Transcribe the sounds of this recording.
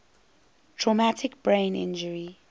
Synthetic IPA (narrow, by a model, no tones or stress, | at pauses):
tʰɹɔmætʰɪkb̥ɹẽɪ̃nɪ̰̃nd͡ʒəɹi